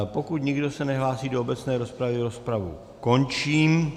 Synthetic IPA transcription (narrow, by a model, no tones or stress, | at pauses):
po̞kut̪ɲɪɡdo̞sɛnɛɦlaːsiːdoobɛt͡snɛːɾo̞spɾavɪɾo̞spɾavṵ | ko̞nt͡ʃiːm